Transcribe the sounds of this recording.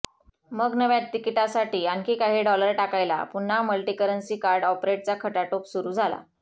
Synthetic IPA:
məɡnəʋjat̪ːikiʈasaʈiːankiːkaɦiːɖɔləɾʈakajla̰pun̤ːaməlʈiːkəɾənsiːkaɾɖɔpɾeʈ̚t͡sakʰəʈaʈopsuɾuːd͡zʱala̰

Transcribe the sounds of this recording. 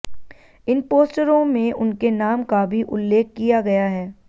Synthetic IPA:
ɪnpoːsʈəɾõmẽʊnkenaːmkabʱiʔʊlːeːk̚ʰkijaɡɐjaɦɛː

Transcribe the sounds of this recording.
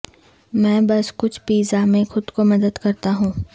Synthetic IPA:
mɛ̃ːbɐskʊt͡ʃʰpiːzamẽxʊd̪komɐd̪əd̪kɐɾt̪aɦũː

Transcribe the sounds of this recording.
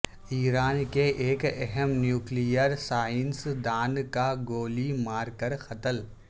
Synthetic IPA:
iːɾaːnkeʔeːkɛɦəmnjuːklijəɾsaːɪnsd̪aːnkaɡoːlimaːɾkəɾxɐt̪əl

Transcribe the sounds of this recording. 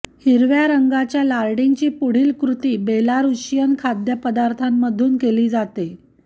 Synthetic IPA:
hiɾʋjaɾəŋɡat͡ɕjalaɾɽint͡ɕiːpuɽ̤iːlkɾut̪iːbelaɾuɕjənkʰad̪jəpəd̪aɾt̪ʰamːəd̪ʱuːnkeliːd͡zat̪e

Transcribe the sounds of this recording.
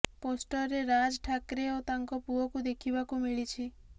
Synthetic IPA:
posʈɔɾeɾad͡ʒʈʰakɾeot̪aŋkɔpuɔkud̪ekʰibakumiɭit͡ʃʰi

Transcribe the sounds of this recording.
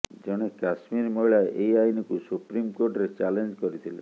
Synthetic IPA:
d͡ʒɔɽ̃ekasmiɾmɔɭaeʔejajnikusupɾimkoɾʈɾet͡ʃalend͡ʒkɔɾit̪ʰilḛ

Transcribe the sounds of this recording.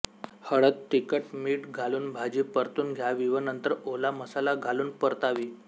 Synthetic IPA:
həɭət̪̚ʈikəʈmiːʈɡʱaluːnbʱad͡ʑiːpəɾt̪uːnɡʱjaʋiʋənənt̪əɾolaməsalaɡʱaluːnpəɾt̪aʋiː

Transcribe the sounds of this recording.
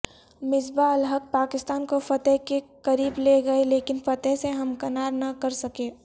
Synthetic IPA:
mɪzbaɐlɦək̚paːkɪst̪aːnkofɐt̪ɛɦkekɐɾiːbleɡɐeleːkɪnfɐt̪əɦseɦɐmkɐnaːɾnɐkɐɾsɐkeː

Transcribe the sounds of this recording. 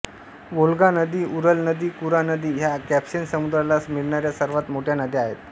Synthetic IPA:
ʋolɡanəd̪iːʔuɾəlnəd̪iːkuɾanəd̪iːɦjakæpɕensəmud̪ɾalasmiɭɳaɾjasəɾʋat̪moʈʰjanəd̪ʱiaɦet̪

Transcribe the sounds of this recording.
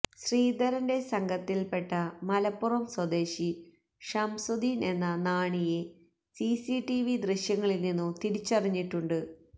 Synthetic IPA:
ɕriːd̪ɐɾɐnde̞sɐŋɡʱɐt̪ːilpe̞ʈːɐmɐlɐpːurɐmswɐd̪e̞ːɕi | ʂɐmsod̪iːne̞nːɐnaːɳije | sisiʈiʋid̪riɕjɐŋːɐɭilninːumt̪iɾit͡ɕːɐrɐɲːiʈːuɳɖɨ

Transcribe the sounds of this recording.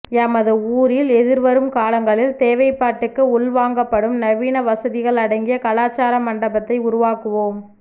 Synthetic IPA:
ɐmɐðɯuːɾɪlɛðɪɾʋɐɾɯmkaːlɐŋɡɐɭɪlt̪eːʋɐɪpːaːʈːɯkːɯʊɭʋaːŋɡɐpːɐɽɯmnɐʋiːnɐʋɐsɐðɪɣɐɭɐɽɐŋɡɪjɐkɐlaːt͡ʃːaːɾɐmɐɳɖɐbɐt̪ːɐɪʊɾʊʋaːkɯʋoːm

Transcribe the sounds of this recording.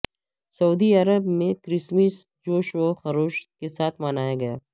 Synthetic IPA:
sɐuːd̪iɐɾəbmẽkɾɪsmis | d͡ʒoːʃoxɐɾoːʃkesaːt̪ʰmanaːjaɡɐjaː

